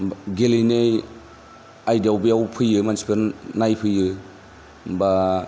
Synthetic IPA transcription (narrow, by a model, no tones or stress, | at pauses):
ɡelinej | ajdiawbijawpʰɯjɯmansi̥pʰeɾnajpʰɯjɯ | ba